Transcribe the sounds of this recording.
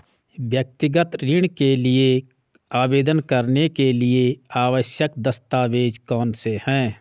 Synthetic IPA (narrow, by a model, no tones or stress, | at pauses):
ʋjək̚t̪ɪɡət̪ɾɪɳ̃kelɪe | aːbeːd̪ənkəɾnekelɪeaːʋəʃjəkd̪əst̪aːʋeːd͡ʒkɔːnsehɛ̃ː